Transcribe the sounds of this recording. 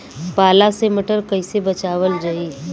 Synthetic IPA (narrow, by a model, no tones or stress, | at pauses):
paːlaseməʈəɾkɐɪsebɐt͡ʃaːwəlɾɐiː